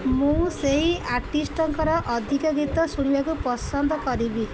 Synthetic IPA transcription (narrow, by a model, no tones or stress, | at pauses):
mũseɦiaɾʈisʈɔŋkɔɾɔʔɔd̪ʱikɔɡit̪ɔsuɽ̃ibakupɔsɔnd̪ʱɔkɔɾibi